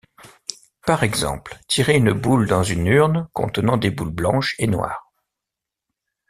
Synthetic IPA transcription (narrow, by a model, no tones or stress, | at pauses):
paʁɛɡzɑ̰̃plt̪ʰiʁeynbuld̪ɑ̃zynyʁnkɔ̰̃t̪ənɑ̃d̪ebulblɑ̰̃ʃenwa̰ːʁ